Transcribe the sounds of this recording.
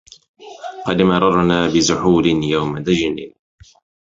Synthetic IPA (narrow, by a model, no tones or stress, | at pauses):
qɑd̪mɑɾˤɑɾˤnaːbɪzʊħuːlɪnjawmad̪ad͡ʒniː